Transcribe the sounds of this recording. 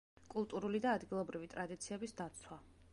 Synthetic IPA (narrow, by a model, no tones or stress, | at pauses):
kʼulˠt̪ʼuɾulid̪aːd̪ɡilˠɔbɾivit̪ʼɾad̪it̪sʰiɛbisd̪at̪sʰwa